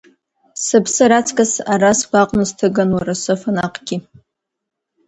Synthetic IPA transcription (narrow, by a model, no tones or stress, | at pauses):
sɨpʰsɨɾat͡sʰʼkʼasaɾaskʷaqʼmɨztʰɨɡanwaɾasɨfanaqʼɡ̥ʲi